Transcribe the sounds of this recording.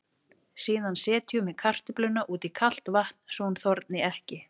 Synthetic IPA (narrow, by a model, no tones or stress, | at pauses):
siːðansɛːt̪ʰjʏmɛðkʰar̥t̪ɪplʏnːaʔuːt̪ikʰal̥t̪vaht̪n̥sɔnθɔɾt̪nɪɛhcɪ